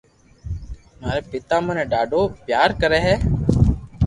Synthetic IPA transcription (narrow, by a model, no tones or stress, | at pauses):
maːɾeːpɪt̪aːmənɛ̃ːɖaːɖoːpjaːɾkəɾɛːɦɛː